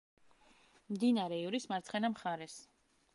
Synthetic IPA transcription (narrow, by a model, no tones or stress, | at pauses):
md̪inaɾɛivɾismaɾt̪sʰχɛnamχaɾɛs